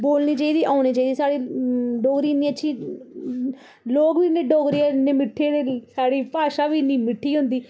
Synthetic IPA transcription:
boːlniːt͡ʃaːiːd̪iːʔaːniːt͡ʃaːid̪iːsaːɽiːɖɔːɡɾiːnĩːəʃʰiː | loːɡʋiːneːɖoːɡɾiːɛːneːmɪʈʰːeːɾelsaːɽiːpaːʃaːʋiːnĩːmɪʈʰːiːɦʊ̃nd̪iː

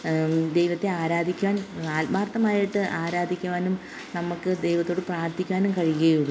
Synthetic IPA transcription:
d̪ejʋɐt̪ːe̞aːɾaːd̪ʱikʲːaːnaːlbaːrt̪ːɐmaːjiʈːɨʔaːɾaːd̪ʱikʲːuʋaːnum | nɐmukːɨd̪e̞jʋɐt̪ːo̞ːɽɨpraːrt̪ʰikʲːaːnumkɐɻijɐjuɭɨ

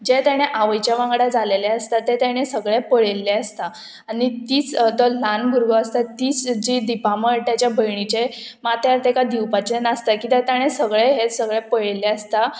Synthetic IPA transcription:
d͡ʑet̪jaɽ̃eʔaʋəjt͡ɕaʋãŋɡɽad͡zaleleəst̪at̪et̪jaɽ̃esəɡɭepəɭelːeəst̪a | anit̪iːt͡st̪əlanɡʱuɾɡəəst̪at̪iːt͡sd͡ʑid̪ipaməɽt̪jat͡ɕjabʱəjɳ̃it͡ɕemat̪jaɾt̪ekad̪iwpat͡ɕenast̪akit̪at̪jaɽ̃esəɡɭeɦesəɡɭepəɭelːeəst̪a

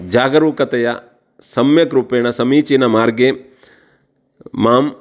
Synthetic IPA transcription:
d͡ʒaːɡɐɾuːkɐt̪ɐjɐ | sɐmjɐkɾupeːɳɐsɐmiːt͡ʃinɐmaːɾɡe | maːm

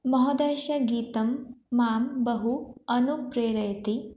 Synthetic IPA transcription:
mɐɦɐd̪eːʃɐɡiːt̪ɐmːaːmbɐɦuɐnupɾeːɽɐjɐt̪i

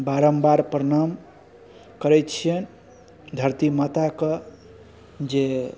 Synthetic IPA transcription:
baɾəmbaɾpɾənam | kəɾɛt͡ʃʰijən | d̪ʱəɾt̪imət̪akə | d͡ʒe

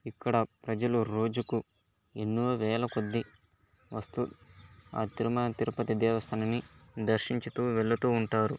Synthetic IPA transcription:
ikːɐɽɐpɾɐd͡ʒɐluɾo̞ːd͡ʒuku | e̞nːuʋɐʋɛːlɐkod̪ːi | ʋɐst̪ua̰ːt̪iɾumɐt̪iɾupɐt̪id̪ɛːʋɐst̪ʰɐnɐnid̪ɐɾʃiɲt͡ʃit̪uːʋɛɭːɐt̪uːɳʈaːɾu

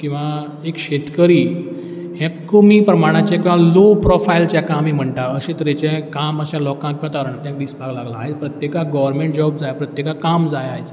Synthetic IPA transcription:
kĩw̃ʋa | ekɕet̪kəɾiː | hɛ̃komipɾəmaɽ̃at͡ɕãkĩw̃ʋalopɾɔfajlt͡ɕjakamim̤əɳʈaəɕẽt̪əɾet͡ɕɛ̃kaməɕãlɔkãkãt̪aɾəɳt̪jãk̚d̪ispaɡlaɡlaːɦepɾət̪jekaɡɔʋəɾmẽɳʈ̚d͡ʑɔbd͡zajpɾət̪jekakamd͡zajajt͡s

